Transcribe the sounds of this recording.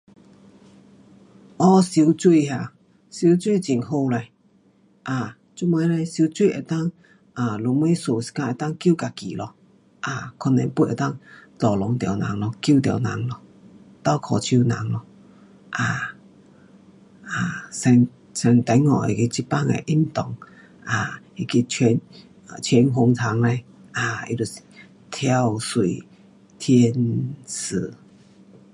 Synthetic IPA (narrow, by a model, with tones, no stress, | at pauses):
ʔɔ˦si˧u˧t͡ʃu˦˧i˧ha˧˨ | su˧t͡ʃu˦i˧˨t͡ʃi˨ŋɦo˧la˧ | ʔa˨ | t͡ʃu˦ma˧˦lɛ˧si˧t͡ʃu˦˧ʔɛ˧˨t̪a˦ŋ | ʔa˨lu˧˨mĩ˦so˨si̥˧kã˧ʔe˧˨t̪a˦ŋkjka˨kḭ˨lɔ˧ | ʔa˧˨kʰɔ˧nɛ̰̃˧˨pu˧˦˧ʔɛ˧t̪a˦ŋt̪ɔ˨lɔ˨˧˦ŋt̪ja˨˧˨wnã̰˨ŋlɔ˧kju˦t̪a̰˨˧˨nã̰˧˨ŋlɔ˧ | t̪a˧˩wkʰɔ˨˩t͡ɕʰu˧na˨˦ŋlɔ˧ | ʔa˧˩ | a˨˩sɛ˧ŋ | sɛ˧ŋt̪a˨˧˦jŋɔ˨˩ḛ˨ki˧t͡ɕi˦pa˥˨ŋḛ˨ʔi˥˩mt̪ɔ˨˩ŋ | ʔa˧˩ | i˧˨ki˧t͡ɕʰɛ˧n˨ | t͡ɕʰɛ˧nɦo˧ŋt̪ʰa˨˦ŋla˧j | ʔa˧˩ḭ˧lu˧˩˨ | t̪ʰja˧wsu˨ | t̪ʰjɛ˧nsɨ˨˩